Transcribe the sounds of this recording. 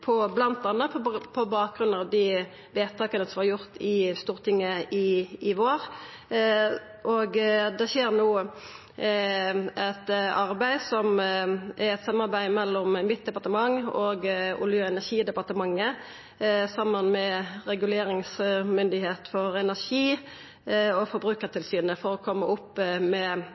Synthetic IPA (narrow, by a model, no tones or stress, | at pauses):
pʰɔblɑnt̪ɑnːəpʰɔpʰɔbɑːk̚ɡʁʉnɑd̪i | ʋeːt̪ʰɑːkənəsɔmhɑɾjʊʁt̪ʰɪst̪uːʁt̪ʰɪŋːəɪɪʋoːʁ | ʔoɡd̪ɛʃeːʁnuː | ɛt̪ɑʁbæɪsɔmʔæɾɛt̪sɑmːɑɾbæɪmɛlːɔmmɪt̪̚d̪ɛpɑʁt̪əmɑŋoɡʊ̰lɪøːɛnæʁʃiːd̪ɛpɑʁt̪əmɑŋːə | sɑmːənmɛɾɛɡʉleːɾɪŋsmʏnd̪ɪheːt̪fɔʁɛnæʁʂiː | ɔfɔɾbɾʉːkəʁt̪ʰɪlsyːnəfɔʁɔkʰɔmːəʊpːmɛ